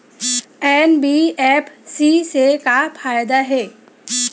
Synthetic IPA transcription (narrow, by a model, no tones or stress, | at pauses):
ɛːnbiɛːpʰsisekafʰaːjd̪aɦɛː